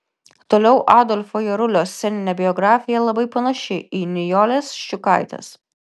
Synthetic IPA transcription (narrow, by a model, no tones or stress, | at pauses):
t̪oːlʲɛʊʔaːd̪ɔlʲfoːjɛɾʊlʲoːsʲːɛnʲɪnʲɛbʲɪjɔɡɾɑːfʲɪjɛlˠɐbɐɪpɐnɐʃʲɪiːnʲɪjoːlʲeːsʃt͡ʃʲʊkaˑɪt̪ɐ̰s